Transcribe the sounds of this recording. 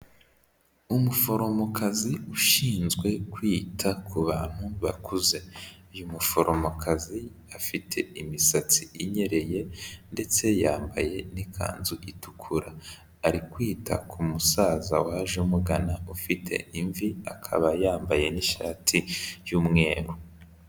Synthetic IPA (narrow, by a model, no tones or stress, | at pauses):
umufo̞ɾo̞mo̞kʰaziuʃiːnzɡwe̞kwiːtʰakʰuβaːn̥huβa̰kʰuze̞jumufoɾʔo̞mokʰazi | afitʰe̞̰imisat͡siiɲe̞ɾe̞je̞nde̞t͡se̞jaːmbaje̞nikʰa̰ːnzuʔitukʰuɾaː | ɾikwiːtʰa̰kʰumusaːzawaʒumuɡanaufitʰe̞̰iɱviakʰa̰βajaːmbaje̞niʃa̰ːtʰijuːmŋe̞ːɾu